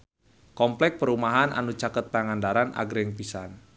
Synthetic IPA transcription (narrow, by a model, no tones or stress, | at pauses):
kɔmplɛk̚pəɾumaɦanʔa̰nut͡ʃakət̪̚ːaŋandaɾana̰ɡɾɪŋpisan